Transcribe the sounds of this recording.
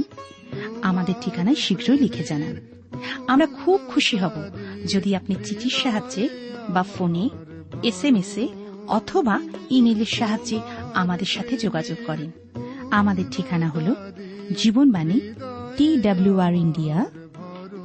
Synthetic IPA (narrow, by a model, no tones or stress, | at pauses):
n | amad̪eɾʈʰikanaeʃiɡʱɾojlikʰed͡ʑanan | amɾakʰub̚kʰuʃiɦɔbod͡ʑod̪iapnit͡ɕit̪ʰiɾʃaɦaebafone | esemese | ɔ̰t̪ʰobaimeleɾʃaɦad͡ʑeamad̪eɾʃat̪ʰed͡ʑoɡad͡ʑoɡ̚kɔɾen | amad̪eɾʈʰikanaɦolo | d͡ʑibonbaniʈiɖabluaɾiɳɖia